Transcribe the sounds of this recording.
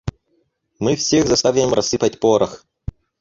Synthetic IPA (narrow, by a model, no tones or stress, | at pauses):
mɨfsʲeɣzɐst̪avʲɪmrʔɐsɨpət̚ʲpoɾəx